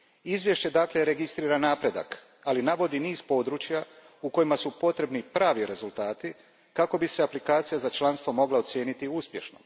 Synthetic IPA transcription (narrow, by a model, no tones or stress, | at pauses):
izʋje̞ʃt͡ɕe̞d̪akle̞ɾe̞ɡist̪ɾiːɾanaːpɾe̞d̪a̰k | alinaʋo̞d̪iniːz̥po̞ːd̪ɾuːt͡ʃja | uko̞jimasupo̞t̪ɾe̞bnipɾaːʋiɾe̞zult̪aːt̪i | kako̞biseaplikaːt̪sijazat͡ʃlˠanst̪ʋo̞mo̞ɡlˠat̪sje̞ːnit̪iuspje̞ʃno̰